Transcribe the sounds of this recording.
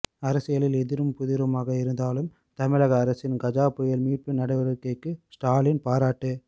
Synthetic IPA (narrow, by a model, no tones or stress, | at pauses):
ɐɾɐsɪjɐlɪlɛðɪɾɯmpʊðɪɾɯmaːɣɐɪɾɯnd̪aːlɯm | t̪ɐmɪɻɐɣɐːɾɐsɪnɡɐd͡ʒaːpːɯjɐlmiːʈ̚pɯnɐɽɐɪʋɐɾɯkːɐɪkːɯsʈaːlɪnpaːɾaːʈːɯ